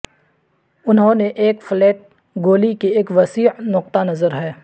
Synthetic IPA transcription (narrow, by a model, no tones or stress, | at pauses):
ʊnɦõneʔeːkfɪlɛːt̪̚ | ɡoːlikieːkʋɐsiːʕnʊq̚t̪anɐzəɾɦɛː